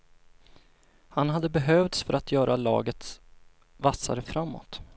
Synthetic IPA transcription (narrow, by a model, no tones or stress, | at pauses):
hanhad̪ːəbɛɦœvt̪sfœɾat̪ʰjœːɾʔalɑ̰ːɡət̪s | vasːa̰ɾəfɾamːɔ̰t̪